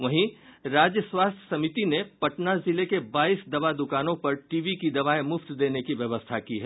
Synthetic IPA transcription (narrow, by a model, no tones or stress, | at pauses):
ʋɐɦĩɾaːd͡ʒjəswaːst̪ʰjə̥sɐmit̪inepɐʈnazɪlekebaːiːsd̪ɐʋad̪ʊkaːnõpɐɾʈiːʋikid̪ɐʋaːemʊft̪d̪eːnekiʋjɐʋəst̪ʰakiɦɛː